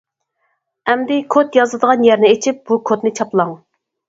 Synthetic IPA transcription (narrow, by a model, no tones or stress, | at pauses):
ɛmd̪ɪkʰot̪jɑzlˠɨd̪əʁɑnjɛɾnɪet͡ʃʰip̚b̥ukʰot̪nɪt͡ʃʰɑplˠɑŋ